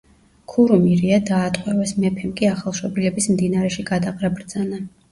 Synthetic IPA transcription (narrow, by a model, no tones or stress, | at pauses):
kʰuɾumiɾiad̪aːt̪ʼqʼwɛvɛsmɛpʰɛmkʼiaχalˠʃɔbilɛbismd̪inaɾɛʃiɡad̪aqʼɾabɾd̪zana